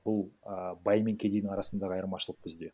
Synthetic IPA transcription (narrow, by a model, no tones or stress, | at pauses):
bʊlˠəbɑjmʲe̞ŋkʲʰed̪ejd̪ɪŋɑɾɑsənd̪ɑʁɑjəɾmɑʃəlˠəq̚bɪzd̪e̞